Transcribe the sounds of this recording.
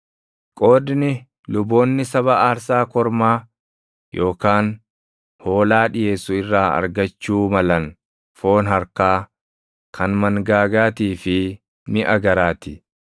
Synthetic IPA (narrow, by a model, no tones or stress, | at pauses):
kʼo̞ːd̪nɪ | lʊbo̞ːnːɪsɐβɐʔaːɾsaːkɔɾmaː | jʔo̞ːkaːn | ho̞ːlaːᶑɪjeːsʊɪrːaːɐ̰ɾɡɐt͡ʃːuːmɐlɐn | fo̞ːnɦɐɾkaː | kʰɐnmɐŋɡaːɡaːt̪iːfɪ | mɪʔɐɡɐɾaːt̪ɪ